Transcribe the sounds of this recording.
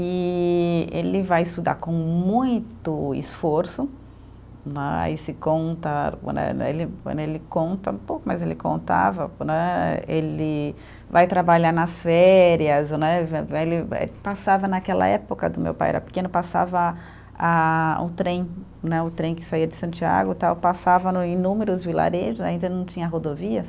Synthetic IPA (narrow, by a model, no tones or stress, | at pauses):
ɪ | elɪvajɪst̪ud̪a̰ɾkõw̃mũj̃t̪ʊɪ̰sfoɾsʊ | nɛ̰a̰isɪkõnt̪ɐnɛ̰ḛlɪelɪkõnt̪ɐ̰ũpowkʊmɐzelɪkõ̰nt̪a̰vɐ̰nɛelɪ | vajt̪ɾabaʎaɾnɐsfɛɾiɐznɛvɛelɪḛpasavɐnakɛlɐ̰ɛpʊkɐd̪ʊmḛwpajɛ̰ɾɐ̰pɪ̥kẽnʊpasa̰vɐ | aʊ̰t̪ɾẽj̃ | nɛʊt̪ɾẽj̃kɪ̥saiɐd͡ʒɪsɐ̃nt͡ʃia̰ɡʊt̪awpasavɐnʊĩnũmeɾʊzvila̰ɾeʒʊnɛaĩnd̪ɐnɐ̃w̃t͡ʃĩɲɐɦod̪oviɐ